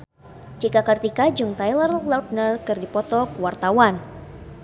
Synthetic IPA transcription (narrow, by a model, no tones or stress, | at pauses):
t͡ʃikakɨrt̪ikad͡ʒuŋt̪ajlərlawt̚nərkɨrdipɔt̪ɔkuwart̪awan